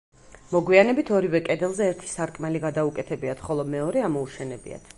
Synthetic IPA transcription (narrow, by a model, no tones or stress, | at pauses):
mɔɡwianɛbit̪ʰɔɾivɛkʼɛd̪ɛlˠzɛːɾt̪ʰi̥saɾkʼmɛliɡad̪aukʼɛt̪ʰɛbiat̪ʰχɔlˠɔmɛɔɾɛamɔuʃɛnɛbḭa̰t̪ʰ